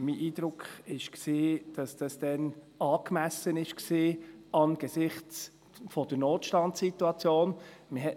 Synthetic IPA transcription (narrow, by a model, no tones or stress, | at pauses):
miːʔiːd̥ɾʊkʰχɪʃksiːd̥ɑsd̥ɑsd̥ɛn | ɑːkmæsənɪʃksiːɑnɡ̥əsɪχt͡s | fod̥əɾnoːtʃtɑntsituɑt͡sjoːnmɪɦɛt